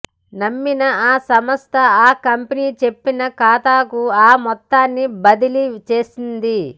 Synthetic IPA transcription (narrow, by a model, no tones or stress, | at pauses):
nɐmːinɐaːsɐmɐst̪ʰɐaːkɐmpiniːt͡ʃe̞pːinɐkaːt̪aːkuaːmɔt̪ːaːnːibɐd̪ilit͡ʃe̞ːsind̪i